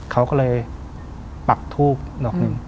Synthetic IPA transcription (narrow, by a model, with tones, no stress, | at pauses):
kʰa˦˥wkɔː˥˩lɤː˧j | pa˨˩k̚t̪ʰuː˥˩p̚nɔː˨˩k̚nɯ˧˥ŋ